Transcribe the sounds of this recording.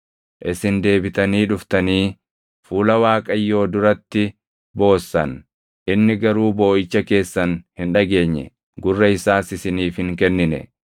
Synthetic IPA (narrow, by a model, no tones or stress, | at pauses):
ʔɪsɪnd̪e̞ːbɪt̪ɐniːᶑʊft̪ɐniː | fuːlɐwaːkʼɐjːo̞ːd̪ʊɾɐt̪ːɪ | bo̞ːsːɐ̰n | ʔɪnːɪɡɐɾuːbo̞ːʔɪt͡ʃːɐke̞ːsːɐnhɪnᶑɐɡe̞ːɲːɛ̰ | ɡʊrːɐɪsaːsɪsɪniːfhɪŋkɛnːɪnɛ̰